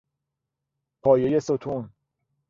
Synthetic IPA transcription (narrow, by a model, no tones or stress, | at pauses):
pʰɒːje̞je̞sot̪ʰun